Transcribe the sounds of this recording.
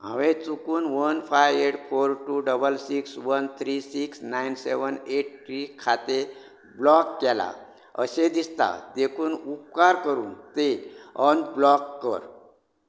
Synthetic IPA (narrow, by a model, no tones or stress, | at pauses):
ɦə̰̃ʋẽt͡sukuːnʋənfaeʈfoɾʈuɖəbəlsiksʋənt̪ʰɾisiksnainseʋəneʈ̚ʈɾikʰat̪e | blɔkːɛla̰ | ə̰ɕed̪ist̪a̰d̪ekʰuːnup̚kaɾkəɾuːnt̪eɔnblɔkːəɾ